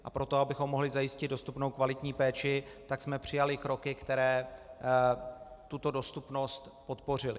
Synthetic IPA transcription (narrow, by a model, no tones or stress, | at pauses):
ʔapɾo̞t̪o̞abɪxo̞mːo̞ɦlɪzajɪscɪd̪do̞st̪upno̞wkvalɪt̪ɲiːpɛːt͡ʃɪt̪aksmɛpr̝̥ɪjalɪkɾo̞kɪkt̪ɛɾɛː | t̪ut̪o̞do̞st̪upno̞st̪po̞t̪po̞r̝ɪlɪ